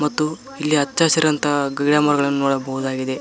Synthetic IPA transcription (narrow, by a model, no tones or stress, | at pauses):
mɐt̪ːu | ilːiɐtːt͡ʃaːsɐɾɐnt̪ɐɡɐɡɽaːmɐːɾɐɡɐɭɐnːunoːɽɐbɐɦud̪aːɡid̪e̞